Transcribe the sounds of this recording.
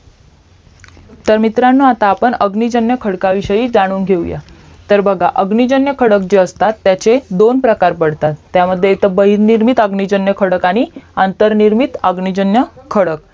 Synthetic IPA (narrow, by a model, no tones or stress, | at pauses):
t̪əɾmit̪ɾanːəat̪aːpəɳəɡnid͡ʑənjəkʰəɽkaʋiɕəjiːd͡zaɽ̃uːŋɡʱewja̰ | t̪əɾbʱəɡʱaʔəɡnid͡ʑənjəkʰəɽəkd͡ʑeəst̪at̪ːjat͡sed̪onpɾəkaɾpəɽt̪at̪ːjaməd̪ʱːjeet̪əbəɦiɾniɾmit̪əɡɳid͡ʑənjəkʰəɽəkaniːənt̪əɾniɾmit̪əɡɳid͡ʑənjəkʰəɽək